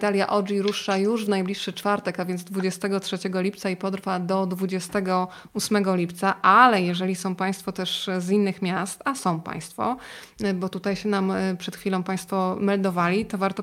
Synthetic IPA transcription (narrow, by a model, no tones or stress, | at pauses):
t̪alʲjaʔɔd͡ʐiɾuʂajuʐvnajblʲiʂːɘt͡ʂfaɾt̪ɛkavʲjɛnzd̪vud͡ʑɛst̪ɛɡɔtʂɛt͡ɕɛɡɔlʲipt̪saipɔd̪ɾvad̪ɔd̪vud͡ʑɛst̪ɛɡɔ | usmɛɡɔlʲipt̪saʔalɛjɛʐɛlʲisɔ̃w̃pãj̃st̪fɔt̪ɛʂzinːɘxmʲjast̪asɔ̃w̃pa̰j̃st̪fɔ̰bɔt̪ut̪ajɕɛnampʂɛt̪xfʲilɔ̃w̃paj̃st̪fɔmɛld̪ɔvalʲit̪ɔvaɾt̪ɔ